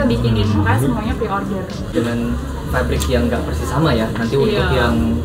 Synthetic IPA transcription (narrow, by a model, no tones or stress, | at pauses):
abikɪninmukaasəmuaɲapɾiʔɔrdər | d͡ʒəŋan | fabɾɪkjaŋɡaʔpərsisamajanant̪iwatʊtjaŋ